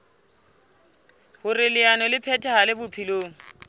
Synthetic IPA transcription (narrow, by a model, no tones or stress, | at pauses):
hʊrɪlɪanɔlɪpʰɛtʰʼɛhalɪbʊpʰiloːŋ̩